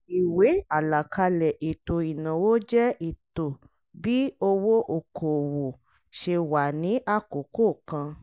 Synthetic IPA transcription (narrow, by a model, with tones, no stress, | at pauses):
i˨we˨˦a˨la˨kʰa˧lɛ˨ʔi˨to˨i˨nã˨wo˦d͡ʒɛ˦i˨to˨ | bi˦o˧wo˦ʔo˨kʰo˨wo˨ | ʃe˧wa˨nĩ˨˦ʔa˦ko˨˦ko˦˨kã˧